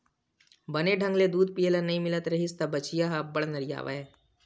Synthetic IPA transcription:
bɐneɖʱɐ̃ŋɡled̪uːd̪̚pijələnɐɦĩmɪlət̪ɾɐɦɪst̪abɐt͡ʃijaɦabɐɽnɐɾija̰ːʋa̰ɛː

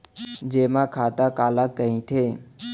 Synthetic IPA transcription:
d͡ʒeːmãːkʰaːt̪aːkaːlaːkːəɦĩːt̪ʰeː

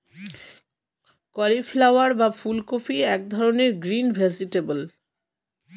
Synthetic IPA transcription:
kɔliflawaɾbafulkofiɛk̚d̪ʱɔɾoneɾɡɾinbʱɛd͡ʑiʈebəl

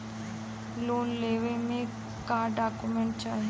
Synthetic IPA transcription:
loːnleːʋemẽ | kaːɖaːkumẽɳʈ̚t͡ʃaːɦi

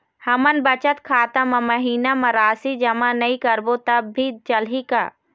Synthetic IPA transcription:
hɐmənbɐt͡ʃət̪kʰaːt̪əmɐ̃mɐɦiːnamɐ̃ɾaːsid͡ʒɐmanɐĩkɐɾbot̪ɐbːʱit͡ʃɐlɦika̰ː

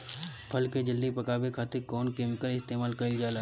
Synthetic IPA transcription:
pʰɐlked͡ʒɪld̪ipɐkaːbekʰaːt̪ekɔːnkeːmɪkəlɪst̪eːmaːlkɐɪld͡ʒaːla

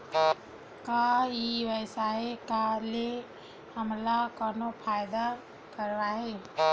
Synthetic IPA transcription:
kaiʋəsaekale | həmlakɔnopʰajd̪a | kəɾʋaɦe

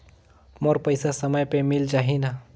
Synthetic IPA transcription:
moɾpəɪsasəməjpemild͡ʒaːɦina

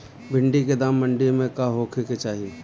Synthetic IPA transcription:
bʱɪ̃ɳɖiked̪aːmːə̃ɳɖimẽkaːɦoːkʰeket͡ʃaːɦie

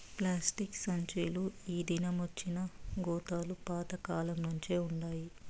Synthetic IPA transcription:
plaːsʈiksɐɲt͡ʃiːluiːd̪inɐmʋɐt͡ʃːinɐɡɔːt̪aːlupaːt̪ɐkaːlɐmnuɲt͡ʃe̞ːuɳɖaːji

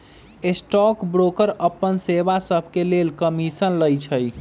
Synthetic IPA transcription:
esʈɔkbɾokəɾəpːənsebasəbʱkelelkəmisənləjt͡ʃʰəj

